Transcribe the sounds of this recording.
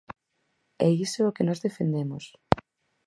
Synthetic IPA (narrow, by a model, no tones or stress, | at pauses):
ɛisookenɔzðefend̪emos